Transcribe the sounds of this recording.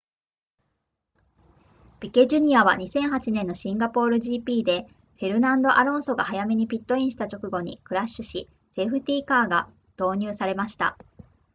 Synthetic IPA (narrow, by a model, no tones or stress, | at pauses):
b̥ʲike̞ʑɨɲ̟iaβ̞a̰ɲ̟isẽ̞ɰ̃ɦat͡ɕinẽ̞nːo̞ɕĩŋɡapo̞ːɾɯ̟ʑiːpʲiːd̪e̞ | ɸe̞ɾɯ̟nãnd̪o̞ʔaɾõ̞ɰ̃so̞ɡahajame̞ɲ̟ipʲit̪ːo̞ĩɰ̃ɕi̥t̪at͡ɕo̞kɯ̟ɡo̞ɲ̟ḭkɯ̟ɾaɕːɨɕi | se̞ɸɯ̟t̪ʲiːkaːɡa | d̪̥o̞ːɲ̟ɯːsaɾe̞maɕi̥t̪a̰